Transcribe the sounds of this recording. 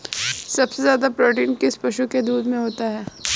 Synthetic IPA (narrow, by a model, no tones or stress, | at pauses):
sɐbsezjaːd̪apɾoːʈ̬iːnkɪspɐʃuked̪uːd̪mẽɦoːt̪aɦɛː